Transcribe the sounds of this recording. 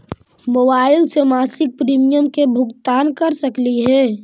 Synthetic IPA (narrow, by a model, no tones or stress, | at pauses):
mobaːɪlsemaːsɪk̚pɾiːmijəmkebʱʊkt̪aːnkɐɾsəkliɦɛː